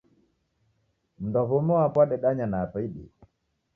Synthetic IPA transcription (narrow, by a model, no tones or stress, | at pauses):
m̩ndɔβɔmɔapwaɗɛɗaɲanaːpaiɗḭ